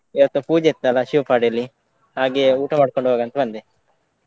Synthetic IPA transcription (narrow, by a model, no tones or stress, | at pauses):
iʋɐt̪ːupuːd͡ʒet̪ːɐlɐʃiʋɐpaːɖelːi | haːɡeuːʈɐmaːɽkoɳɖuɦoːɡɐnt̪ɐbɐnd̪e